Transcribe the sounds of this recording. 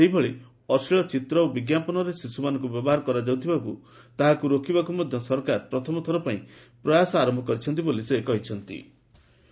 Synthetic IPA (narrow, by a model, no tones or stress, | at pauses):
eɦibɔɭe | ɔsiɭɔt͡ʃit̪ɾɔobiɡjapɔnɔɾesisumanɔŋkubjɔbɔɦaɾɔkɔɾad͡ʒaw̃t̪ʰibakṵ | t̪aɦakuɾokʰibakumɔd̪ʱjɔsɔɾkaɾpɾɔt̪ʰɔmɔt̪ʰɔɾɔpaĩ | pɾɔjasɔaɾɔmbʱɔkɔɾit͡ʃʰɔn̪t̪̬ibolisekɔɦit͡ʃʰɔnt̪ḭ